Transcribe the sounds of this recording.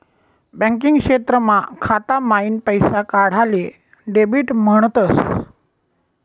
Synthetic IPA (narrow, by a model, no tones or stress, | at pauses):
bə̃ŋk̬iŋɡkʂet̪ɾəmakʰat̪amainpəjsakaɽ̤ale | ɖebiːʈm̤əɳ̃t̪əs